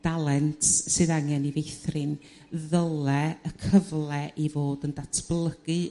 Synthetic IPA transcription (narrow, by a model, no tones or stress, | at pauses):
d̥alˠɛntʰsɨðaŋjɛnivejθrɪn | ðəlˠɛəkʰəvlˠɛʔivoːdəndatʰb̥lˠəɡ̥ɨ